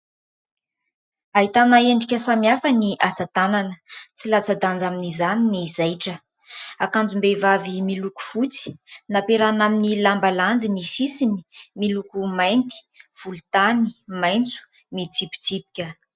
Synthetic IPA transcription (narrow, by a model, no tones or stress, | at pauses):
aɦit̪anaeɳɖ͡ʐikʲəsamjafəniʔazat̪ananət͡silat͡sad̪and͡zaminizaninizajʈ͡ʂə | akand͡zumbevavimiluku̥fut͡si̥napeɾanaminilambaland̪inisisini̥milukumajnt̪i̥ | v̥ulut̪animajnt͡su̥ | mit͡sipi̥t͡sipi̥kʲə